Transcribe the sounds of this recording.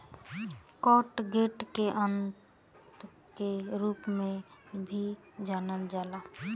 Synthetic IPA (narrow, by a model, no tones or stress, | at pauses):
kɔʈɡeʈkeʔənt | keɾuːpmẽbʱi | d͡ʒaːnəld͡ʒaːla